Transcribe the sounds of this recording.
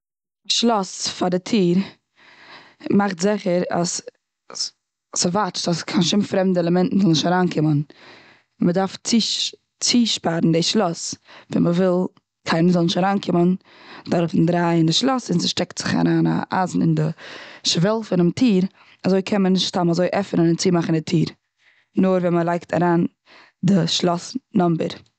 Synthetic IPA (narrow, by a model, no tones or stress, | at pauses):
ɪʃlˠɔsfadɪtʰiːɾ | maχtzɪχəɾa̰s | səvat͡ʃtaskʰanʃɪmfɾɛmdəɛlˠəmɛntn̩zɔlˠnɪʃtaɾaːnkʰɪmən | mədaɾft͡si | t͡siːʃpaɾn̩dɪʃlˠɔsvɛ̰nməvɪlˠ | kʰaɪnməzɔlˠnɪʃtaɾaːnkʰɪmən | d̥aɾfɪn̩dɾaːɪndɪʃlˠɔsɪnzɪʃtɛktz̥ɪχa̰ɾaːna̰ʔa̰zn̩ɪ̰ndɪʃvɛlˠfɪnɪmtʰiːɾ | azoɪkʰɛnmənɪʃtʃtamazoɪʔɛfnənɪnt͡siːmaχn̩dɪtʰiːɾ | nʊɾvɛnməlˠaɪktʰa̰ɾaːn | dɪʃlˠɔsnɔmbə̰ɾ